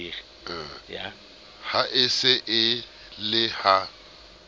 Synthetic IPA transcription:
i | ja | haʔɪsɪʔɪ | lɪha

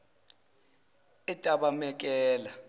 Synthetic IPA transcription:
itʼaɓamɛk̬ʼɛːla

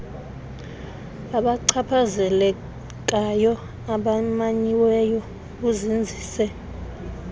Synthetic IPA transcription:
aɓaǀʰapʰazɛlɛ | k̬ʼajɔ | aɓamaɲiwɛjɔ | kuzind͡zʱiːsɛ

